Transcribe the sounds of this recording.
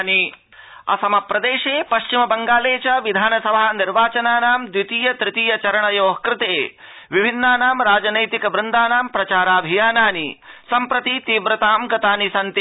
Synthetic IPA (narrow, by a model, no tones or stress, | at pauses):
ni | ɐ̰sɐmapɾɐd̪eːʃeːpɐʃt͡ʃimɐbɐŋɡaːleːt͡ʃɐʋid̪ʱaːnɐsɐbʱaːniɾʋaːt͡ʃɐnaːnaːmd̪wit̪iːjɐt̪ɾɪt̪iːjɐt͡ʃɐɾɐɳɐjoːɦɐkɾɪt̪eː | ʋibʱinːaːnaːmɾaːd͡ʒɐnɐjt̪ikɐbɾɪnd̪aːnaːmpɾɐt͡ʃaːɾaːbʱijaːnaːnisɐmpɾɐt̪it̪iːbɾɐt̪aːmɡɐt̪aːnisɐnt̪i